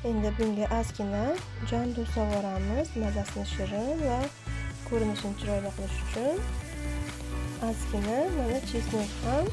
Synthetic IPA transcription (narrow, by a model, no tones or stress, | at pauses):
e̞nd̪ɪbɡɪŋɡʲaʔaskʲɪna | d͡ʒand̪ost̪abɒɾamɪzmazasɪnɪʃɪɾɪva | kʰɵɾɪnɪʃɪnɪt͡ʃʰɪɾɒjd̪aqʰɨlˠɪʃʊ̥t͡ʃʰʊn | azkʲɪnamanat͡ʃʰesnekʲham